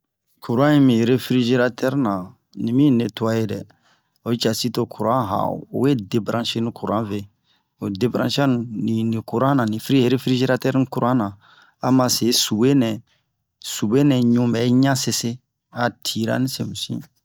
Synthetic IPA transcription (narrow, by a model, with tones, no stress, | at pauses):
kʰu˨ɾã˦ĩ˦mĩ˨ɾe˦fɾi˦ʒe˦ɾa˦tʰɛ˦ɾnã˨ | nĩ˨mĩ˦˨ne˨tu˦a˦je˦dɛ˨ | o˨˦t͡ʃa˨si˦to˨kʰu˨ɾã˦ɦa̰˨o̰˨o̰˨we˦de˨bɾã˦ʃe˦nũ˦ku˨ɾã̰˦ve˦˨ | o˨de˦bɾã˦ʃa˦nũ˦nĩ˨nĩ˨ku˨ɾã˦nã˨nĩ˨fɾi˦˨ɾe˦fɾi˦ʒe˦ɾa˦tɛ˦ɾni˦ku˨ɾã˦nã˨ | a˨mã˨se˨˦su˨be˦nɛ̃˨ | su˨be˦nɛ˨ɲũ˨˦bɛ˨˦ɲã˦se˨se˦ | a˨tʰi˨ɾa̰˦nĩ˦sẽ˨mũ˨sḭ̃˦